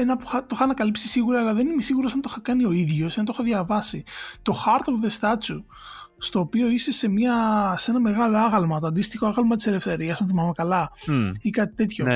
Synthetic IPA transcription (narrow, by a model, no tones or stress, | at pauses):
enɐpuxɐt̪oxɐːnɐkɐlipsi̥siɣuɾɐːlɐðe̞nimesiɣuɾosɐnt̪oxɐkɐnio̞iðʝo̞senɐt̪oxɐðʝɐvɐsit̪o̞xɐɾt̪oðe̞st̪ɐt͡su | st̪o̞ːpio̞ise̞se̞mɲɐse̞nɐme̞ɣɐlo̞ɐɣɐlmɐt̪oɐnd̪ist̪ixo̞ɐɣɐlmɐt̪i̥se̞le̞fθe̞ɾiɐsɐnθimɐmekɐlɐikɐt̪i̥t̪e̞t̪ço